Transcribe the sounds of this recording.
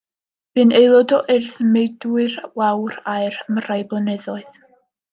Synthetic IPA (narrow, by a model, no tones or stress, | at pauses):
b̥ɨnejlˠɔdɔʔɛrθəmejdwɨrwawraɨrəmr̥ajblˠənɛðɔɨð